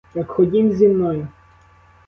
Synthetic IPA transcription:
jɐkxɔdʲimzʲinnːɔjʊ

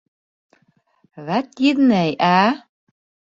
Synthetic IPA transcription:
βæt̪jid̪næjæ

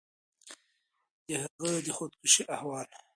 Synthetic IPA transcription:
d̪̥əhaɣəd̪əxod̪kʊʃiʔahwɑːl

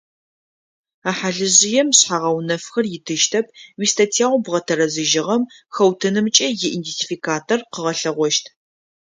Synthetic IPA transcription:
aːħaɮɨʑɪjɛmɕħaʁɐwnɐfxɐrjɪtʰɨʃtʰɐp̚ʰwiːstʰatʰiaːwʷbʁɐtʰɐɾɐzɨʒɪʁɐmxɐwtʰɨnɨmt͡ʃʼɐjɪʔintetʰifikʰaːtʰorqəʁɐɬɐʁʷɔʃtʰ

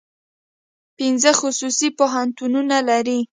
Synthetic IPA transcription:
pinzəxʊsusipoɦant̪ununalaɾi

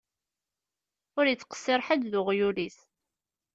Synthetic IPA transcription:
ʊɾjət͡sːqə̥sːɪɾˤħad̪ðʊʁjulis

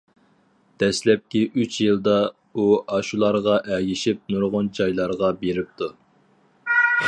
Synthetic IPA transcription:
d̪̥ɛslɛp̚kʲiʔyt͡ʃjɨlˠd̪ɑ | uɑʃulˠɑɾʁɑʔɛɡʲiʃip̚nuɾʁʊnd͡ʒɑjlˠɑɾʁɑbeɾɪp̚t̪ʰu

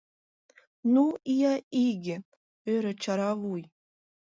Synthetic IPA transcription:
nuijɑiɡʲɘ̆ | øɾɘ̆t͡ɕɑɾɑvuj

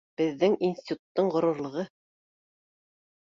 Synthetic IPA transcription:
b̥ɘ̆ðːɘŋinsʲt̪ʲit̪u̥t̪ːɤɴɢŏɾŏɾlˠɤ̆ʁɤ

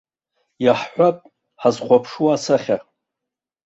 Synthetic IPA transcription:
jaħħʷapʼ | ħazχʷapʰʂuasaχʲa

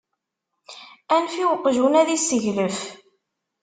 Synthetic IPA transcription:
ænfiwəqːʒunæðisːəʝləf

